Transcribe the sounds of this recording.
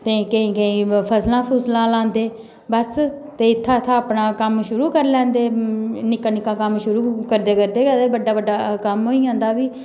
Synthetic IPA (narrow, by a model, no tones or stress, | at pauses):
t̪eːkəĩːkəĩːpʰəslãːpʰʊslãːlãːnd̪eː | bəst̪eːɪt̪ʰːãːt̪ʰãːəpnaːkəmʃʊɾuːkəɾlɛ̃ːnd̪eːnɪkãːnɪkãːkəmʃʊɾuːkəɾd̪eːkəɾd̪eːkəɾd̪eːbəɖaːbəɖaːkəmɦoːiːãːnd̪aːbiː